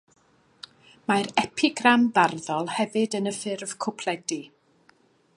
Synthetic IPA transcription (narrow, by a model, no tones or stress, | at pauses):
maɾɛpʰɪɡramvarðɔlˠhɛvɨdənəfɪrv̥kʰʊpʰlˠɛdi